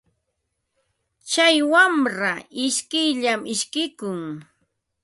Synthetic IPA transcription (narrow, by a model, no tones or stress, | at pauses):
t͡ʃajwamɾaɪʃkɪjʎamɪʃkɪkʊŋ